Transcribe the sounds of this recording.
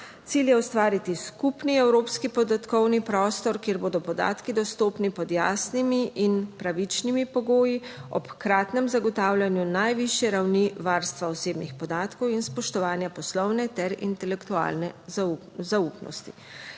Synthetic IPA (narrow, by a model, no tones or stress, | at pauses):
t̪siljɛɔst̪ʋaːɾit̪iskupniɛwɾoːpskipɔd̪at̪kɔwnipɾɔːst̪ɔɾkjeɾboːd̪ɔpɔd̪a̰ːt̪kid̪ɔst̪oːpnipɔd̪ja̰ːsnimiʔinpɾaʋit͡ʃnimipɔɡoːjiɔ̰pkɾaːt̪nɛmzaɡɔt̪aːwljanjunajʋiʃjɛɾawniʋaɾst̪ʋaɔseːbnixpɔd̪aːt̪kɔwinspɔʃt̪ɔʋaːnjapɔslɔwnɛt̪ɛɾḭnt̪ɛlɛkt̪ua̰ːlnɛ | zaupnɔ̰st̪ḭ